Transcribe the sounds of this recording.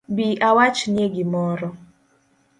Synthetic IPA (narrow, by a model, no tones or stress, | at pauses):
biʔawat͡ʃnjeɡɪmɔɾɔ